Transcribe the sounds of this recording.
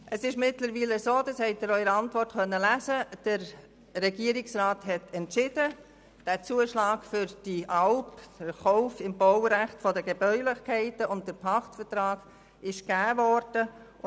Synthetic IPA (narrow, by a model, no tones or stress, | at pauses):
ʔəsɪʃmɪtləɾʋiːləsoːdɑshɛɪt̚d̥əɾœʏɾɑntvɔrtkœnːəlæːzəd̥əɾ | rɛɡiəɾɪksraːthɛtɛntʃɪd̥ə | d̥æːt͡suːəʃlɑːɡfʏɾd̥iʔɑlpəχɔʊfɪmbɔwɾæχtfɔdəɡɛb̥œʏlɪχkʰɛɪtəʊnt̚d̥əɾpʰɑχtfətɾɑːɡ | ɪʃɡ̥æːvɔɾd̥ə